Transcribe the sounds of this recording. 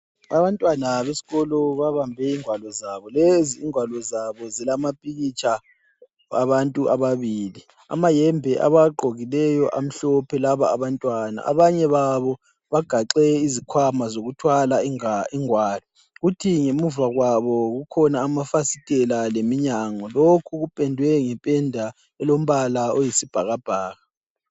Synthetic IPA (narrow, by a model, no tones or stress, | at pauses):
aβantʼwanaβesi̥ɣɔlɔβaβambʱɛiŋwalɔzaβɔleziːŋwalɔzaβɔzɛlamapʼiɣit͡ʃʰʼa | a̰βantʼuʔa̰βaβiːli | a̰majɛmbʱɛʔa̰βaɡ͡ǃʱoɣilɛjɔʔam̩ɬɔpʰɛlaβaːβantʼwana̰a̰βaɲɛβaβɔ | βaɡ̥ʱaǃɛizikʰwamazoɣutʰwalaiŋwaːlɔ | ɣutʰiŋemuvaɣwaβɔɣukʰɔnaːmafasitʼɛlalemiɲaŋɔlokʰuɣupʼɛndʱwɛŋɛpʼɛndʱa | ɛlom̩βalaojisib̥ʱaɣab̥ʱaːɣa